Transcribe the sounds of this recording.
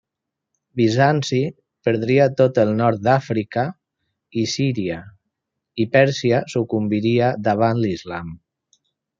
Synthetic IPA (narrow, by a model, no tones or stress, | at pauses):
bizansi | pəɾðɾiat̪ot̪əlˠnɔɾt̪̚d̪afɾika | isiɾia | ipɛɾsiasukumbiɾiad̪aβ̞anlizlam